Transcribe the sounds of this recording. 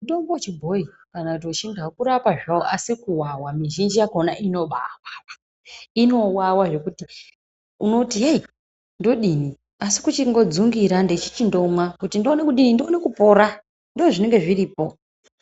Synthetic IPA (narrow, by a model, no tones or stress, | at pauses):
ndombot͡ʃibʱo̞i | kanakut̬iut͡ʃindakuɾapaʐaoʔasikuwawamiʒind͡ʒijakonaʔino̞ɓa̰wa | ino̞wawaʐe̞kuti | uno̞tiɦei | ndo̞ɗini | asi̥kut͡ʃiŋɡo̞d͡zuŋɡiɾandet͡ʃi̥t͡ʃindo̞mwakutindo̞nekuɗinindone̞kupo̞ɾa | ndoːʐine̞ŋɡe̞ʐiriːpo̞